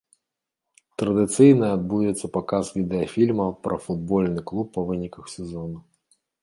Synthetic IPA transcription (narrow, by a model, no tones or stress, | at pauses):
t̪ɾɐd̪ɨt̪sɨjnɐad̪̚bujɛt̪sːɐpakasvʲid̪ɛɐfʲilʲmɐpɾʔɐ̰fud̪bɔlʲnɨklˠupːɐvɨnʲikɐxsʲɛzɔnu